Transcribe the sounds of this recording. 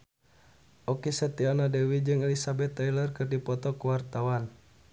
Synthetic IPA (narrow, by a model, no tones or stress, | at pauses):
ʔɔkisət̪ianadɛwid͡ʒɨŋɛlisabɛt̪ːailərkɨrdipɔt̪ɔkuwart̪awan